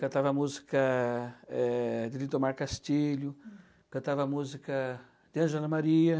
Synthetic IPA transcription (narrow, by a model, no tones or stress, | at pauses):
kɐ̃t̪avɐmuzikɐ | ɛd̪ɪlit̪omaɾkast͡ʃiʎʊ | kɐ̃t̪avɐmuzikɐ | d̪ɪɐ̃ʒɛlɐmaɾiɐ